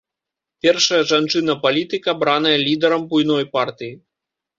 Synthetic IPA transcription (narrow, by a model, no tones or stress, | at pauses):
pʲɛrʂɐjɐʐant͡ʂɨn̪ɐpalʲit̪ɨkɐbɾan̪ɐjɐlʲid̪ɛɾɐmbujnɔjpart̪ɨji